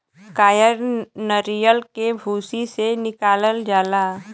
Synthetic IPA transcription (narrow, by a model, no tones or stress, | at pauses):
kaːjəɾnəɾijəlkebʱuːsisenɪkaːləld͡ʒaːlaː